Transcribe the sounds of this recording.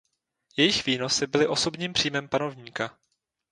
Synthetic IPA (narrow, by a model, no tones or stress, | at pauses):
jɛjɪxv̥iːno̞sɪbɪlɪʔo̞so̞bɲiːmpr̝̥iːjmɛmpano̞vɲiːka